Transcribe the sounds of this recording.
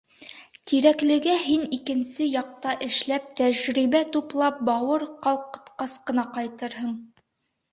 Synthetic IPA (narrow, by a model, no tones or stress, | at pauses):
t̪iɾæklɘ̆ɡæɦinikɘ̆nsɘjɑq̚t̪ɑʔɘ̆ʃlæp̚t̪æʑɾiβæt̪uplˠɑp̚bɑwɤɾqɑlˠqɤ̥̆t̪qɑsqɤ̆nɑqɑjt̪ɤɾɦɤɴ